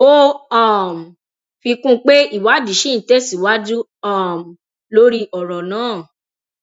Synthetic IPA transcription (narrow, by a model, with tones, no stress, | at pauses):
o˦a˦˨m̩˨ | fi˧kũ˦k͡pe˦i˦˨wa˨˦di˨˦ʃĩ˦˨te˦si˨wa˦d͡ʒu˦ | a˦˨m̩˨ | lo˦ɾi˧ʔɔ˨ɾɔ˨nãː˨˦˨